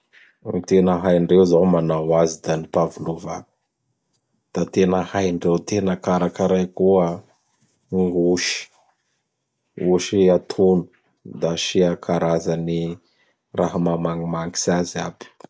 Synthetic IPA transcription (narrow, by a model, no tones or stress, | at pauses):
t̪enəɦajɳɖ͡ʐeuzawmanawazid̪anipavulovḁ | d̪̥at̪enəhajɳɖ͡ʐewt̪enəkaɾakəɾajkuə | ŋɡuʃi̥ | uʃiat̪ʰunu̥ | d̪aʃiakʰaɾazani | raɦamamaŋimaŋɡi̥sazab̥i̥